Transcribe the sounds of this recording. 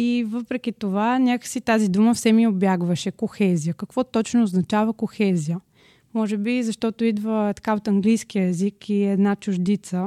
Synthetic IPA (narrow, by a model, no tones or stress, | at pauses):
ivəpɾɛkit̪ovanʲakəksit̪azid̪uməfsɛmiobjaɡvəʃɛkoxɛzijəkɐkv̥ɔt̪ɔt͡ʃnoːznɐt͡ʃavəkoxɛzijə | mɔʒɛbizɐʃt̪ɔt̪oid̪vət̪ɐ̥kaot̪ɐŋɡlijskijəɛzikiɛd̪nat͡ʃʊʒd̪it̪sə